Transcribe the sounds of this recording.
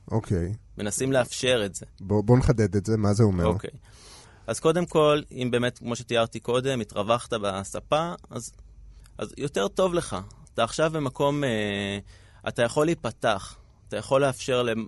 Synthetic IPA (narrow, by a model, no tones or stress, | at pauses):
ʔokʰejme̞nasimleafʃe̞ʁetz̥e̞boboneχad̪ed̪etzemazeomeoʁkḛj | azko̞de̞mko̞limbe̞ːmetkmo̞ʃet̪ijaʁt̪iko̞d̪e̞mitʁavaχt̪abasapaa̰zʔa̰zjo̞te̞ʁto̞vle̞χaːt̪aːχʃavbemako̞me | ʔa̰tajaχo̞lipataχ | atajaχo̞lːeafʃe̞ʁle